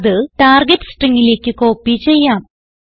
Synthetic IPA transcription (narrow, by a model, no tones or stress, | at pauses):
ðɨʈaːrɡeʈːɨ̥sʈriŋːile̞ːkʲːɨko̞ːpːit͡ɕe̞jːaːm